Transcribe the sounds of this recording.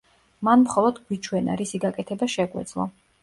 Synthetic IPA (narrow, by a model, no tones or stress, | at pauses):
manmχɔlˠɔd̪ɡwit͡ʃʰwɛna̰ɾisiɡakʼɛt̪ʰɛbaʃɛɡwɛ̰d̪zlˠɔ̰